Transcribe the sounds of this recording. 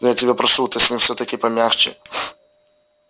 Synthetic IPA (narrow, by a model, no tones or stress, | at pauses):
nɔjatʲɪbʲɛpɾɐsut̪ɪsʲnʲimfsʲɔt̪ɐkʲɪpɐmʲjaxt͡ʃɪ̰